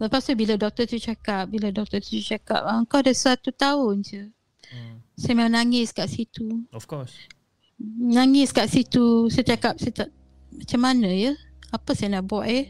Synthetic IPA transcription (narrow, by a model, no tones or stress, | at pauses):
ləpast̪ubiladɔk̚t̪ət̪ut͡ʃakap̚biladɔk̚t̪ət̪ut͡ʃaka̰p̚aəŋkadasuat̪ut̪aʊnd͡ʒə | sajamemaŋnaŋɪskaʔsit̪uɔfkɔ | naŋɪskaʔsit̪usat͡ʃakap̚sajt̪aʔ | mat͡ʃamːanãjə | apasajanaʔbuaʔjə